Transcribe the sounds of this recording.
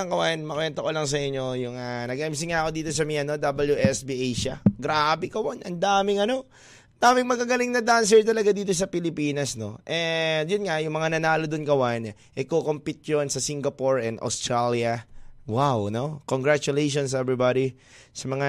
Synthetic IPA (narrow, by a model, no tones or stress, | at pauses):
ɐŋkɐwanmɐkwɛnt̪ɐkolɐŋs̬ɐʔɪɲːo̞jʊŋanɐɡaʔɐms̬iŋːaʔɐko̞d̪iːt̪o̞s̬ɐmiʔɐno̞d̪abɐljuʔɛsbiʔejʃɐɡɾabɛkɐwanʔɐnd̪aːmɪŋɐno̞ | ɐnd̪̥aːmɪŋmɐɡaɡɐlɪŋnɐd̪ans̬ɛɹt̪̬ɐlɐɡad̪iːt̪o̞s̬ɐpɪlɪpiːnɐsno̞ʔɛjʊnŋajʊŋmɐŋanɐnaːlod̪onkɐwan | ʔɛkokompɪt̪̚jonsɐsiŋɡɐpoɹɛnʔɐ̰wst̪ɾaljɐwawno̞koŋɡɹat͡ʃʊlejʃonsɛbɹibad̪i | sɐmɐŋa